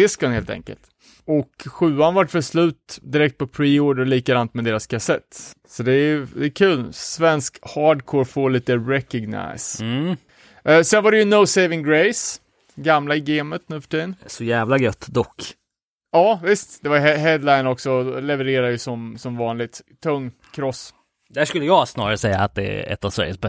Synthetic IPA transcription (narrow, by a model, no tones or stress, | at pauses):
ɪskənheːlt̪ʰɛ̰ŋkə̰lt̪ | ɔkɧʉ̟ːanvaʈːfɛslʉ̟ːt̪d̪ɪɾɛkt̪̚pʰɔpʰɾiːoːɖəɾliːkad̪ant̪mɛd̪eːɾaskʰasɛt̪ː | sɔd̪ɛjd̪ɛːkʰʉ̟ːlsvɛnskhɑːɖkʰoːɾfoːɭiːt̪əɾɛkɔɡna̰ɪs | sɛnvaɾɛjɵnoʊseɪvɪŋɡɾeɪs | ɡamlaɪɡeːmət̪nʉːfœ̥ʈʰiːd̪ənsɔjæːvlaɡœt̪ːd̪ɔkː | ɑːvɪst̪d̪̥ɛvajɛɦɛd̪laɪnɔksɔlɛvəɾeːɾad̪jəsɔmsɔmvɑːnlɪɡ̚t̪ʰːɵŋː | kʰɾɔsː | d̪æʂkɵlːəjɑːɡsnɑːɾaɾəsɛjːa̰ːt̪̚d̪ɛæ̰ɛ̰t̪ːavsvæ̰ɾjəsbɛ